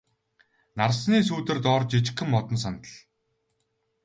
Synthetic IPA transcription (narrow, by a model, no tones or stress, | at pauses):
narsniːsuːt̪ɘ̆rt̪ɔːrt͡ɕit͡ɕɪ̆kːɘ̆mːɔt̪ɞ̆nsant̪ə̆ɮ